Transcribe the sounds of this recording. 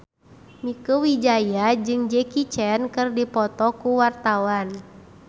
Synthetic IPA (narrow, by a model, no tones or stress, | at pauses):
mikəwid͡ʒajad͡ʒɨŋd͡ʒɛkit͡ʃɛnkɨrdipɔt̪ɔkuwart̪awan